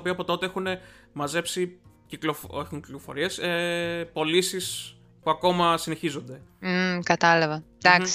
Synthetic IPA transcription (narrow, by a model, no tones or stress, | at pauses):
opioɐpo̞t̪o̞t̪e̞e̞xune̞mɐze̞psiciklofexuɲci̥klo̞fo̞̰ɾie̞sepo̞lisis | puɐko̞mɐsine̞çizo̞nd̪e̞kɐt̪ɐlɐvɐ | d̪ɐks